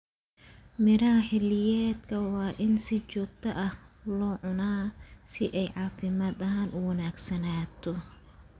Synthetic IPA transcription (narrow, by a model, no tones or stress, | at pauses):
mɪɾɐɐħɪlɪjɛːd̪kʰɐwɑːʔɪnsɪt͡ʃɔːɡ̚t̪ʰɐʔɐhlɔːʕʊnaːsɪʔɛjʕɑːfɪmaːd̪ɐɦaːnʊwɐnaːɡsɐnaːt̪ʰɔ